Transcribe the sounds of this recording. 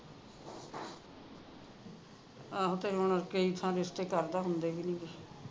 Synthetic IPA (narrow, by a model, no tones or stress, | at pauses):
aːɦot̪eːɦonəɾkeiːt̪ʰãːɾɪsʈ̪eːkəɾd̪aːɦʊ̃nd̪eːɡiːnĩːɡeː